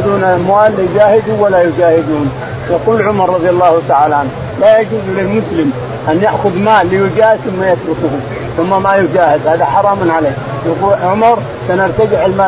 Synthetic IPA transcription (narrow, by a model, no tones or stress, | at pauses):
d̪uːnamwaːlːijd͡ʒaːhɪd̪uwalːajʊd͡ʒaːhɪd̪uːn | jɑquːlʕʊmɑɾˤːɑðˤjalːaːhʊt̪aʕaːlaʕan | lajad͡ʒuːzlɪlmʊslɪm | ʔanjaʔxʊðmaːʔlijʊd͡ʒaːhd̪θʊmːajat̪ɾʊkʊhu | θʊmːamajʊd͡ʒaːhɪd̪haːd̪aħɑɾˤɑːmnʕaleː | jaquːʕʊmɑɾˤ | sanɪɾt̪ad͡ʒɪʕɪlmaː